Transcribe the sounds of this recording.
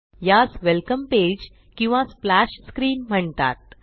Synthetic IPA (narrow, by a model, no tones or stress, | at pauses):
jat͡sʋɛlkəmped͡ʑ | kĩw̃ʋãsflæɕskɾiːnm̤əɳt̪a̰t̪̚